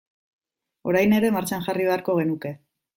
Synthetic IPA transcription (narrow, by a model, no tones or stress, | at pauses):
o̞̰ɾajne̞ɾe̞maɾt͡ʃanʝariβ̞e̞aɾko̞ɣe̞nuke̞